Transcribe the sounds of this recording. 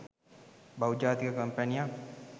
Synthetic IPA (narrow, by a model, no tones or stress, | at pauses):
bawd͡ʒaːt̪ikəkəmpɐnijak